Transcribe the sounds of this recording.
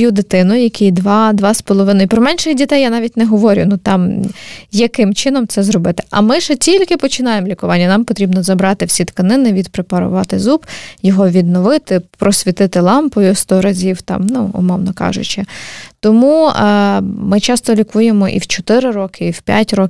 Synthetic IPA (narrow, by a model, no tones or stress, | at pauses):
jud̪ɪt̪ɪnʊjɐkʲijd̪ʋɑd̪ʋɑspɔlˠɔʋɪnɔjipɾɔmɛnʃɪxdʲit̪ɛjanɑʋʲitʲnɛɦɔʋɔɾʲʊ̰nut̪ɑm | jɐkɪmt͡ʃɪnɔmt̪sɛzɾɔbɪt̪ɪ̥ʔɐ̰mɪʒɛtʲilʲkɪpɔt͡ʃɪnɑjemlʲikʊʋɑnʲːɐnɑmpɔt̪ɾʲibnɔzɐbɾɑt̪ɪwsʲit̪kɐnɪnɪʋʲid̪pɾepɐɾʊ̰ʋɑt̪ɪzubjɔɦɔʋʲid̪nɔʋɪt̪ɪpɾɔsʲʋʲit̪ɪt̪ɪlˠɑmpʊjʊst̪ɔɾɐzʲiwt̪ɑ̰mnuʊ̰mɔwnɔkɑ̰ʒʊ̰t͡ʃɪt̪ɔmu | mɪt͡ʃɑst̪ɔlʲikujemɔʔḭwt͡ʃɔt̪ɪɾɪɾɔkɪiwpʲja̰tʲɾɔk